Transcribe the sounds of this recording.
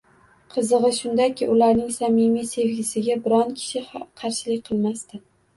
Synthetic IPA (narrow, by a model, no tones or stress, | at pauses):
qʰɨzɨʁɨʃʊnd̪akʲɪʔʊlaɾnɪŋsamimijse̞vɡʲɪsɪɡʲabɪɾɒnkʲʰɪ̥ʃɪqʰɑɾʃɪlɪk̚ʲqʰɨlˠmast̪ɪ